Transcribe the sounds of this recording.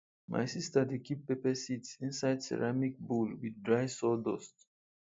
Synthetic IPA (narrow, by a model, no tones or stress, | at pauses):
mʔa̰jsistadekippːepɛsitsĩnsaɪdsɛ̰ɹamik̚bulwiddɹaɪsɔdɔst